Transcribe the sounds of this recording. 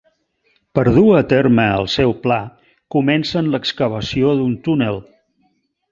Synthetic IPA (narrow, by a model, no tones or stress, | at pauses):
pəɾð̞uət̪erməːə̰lˠsɛwpla | kumɛnsənləkskəβ̞əsioðunt̪unəlˠ